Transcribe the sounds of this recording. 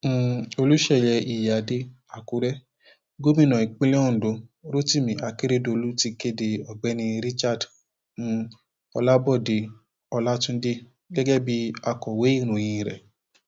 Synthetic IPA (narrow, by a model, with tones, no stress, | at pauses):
o˧lu˦ʃɛ˦˨jɛ˧i˨ja˨˧de˧˦ | a˨ku˧˦ɾɛ˦ | ɡo˦mĩ˦˨nã˨i˨k͡pĩ˦lɛ̃˦ɔ̃˦˨do˨˧ɾo˦ti˦˨mĩ˨ʔa˧ke˦ɾe˦dlu˦ti˧ke˦de˧ɔ˨ɡ͡bɛ˨˦nĩ˧ɾi˦t͡ʃa˦˨d | ñ̩˨˧ | ɔ˧la˦bɔ˦˨de˧ | ɔ˧la˦tũ˦de˦ | ɡɛ˦ɡɛ˦bi˦a˧kɔ˨we˨˦i˦˨ɾ̃ũ˨j̃ĩ˧˨ɾɛ̰˨